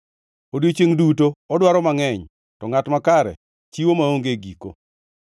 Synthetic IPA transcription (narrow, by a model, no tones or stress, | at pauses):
odjot͡ʃeŋdutoɔdwaɾɔmaŋɛɲ | tɔŋatmakaɾɛ̰ | t͡ʃiwomaoŋɡeɡiko̰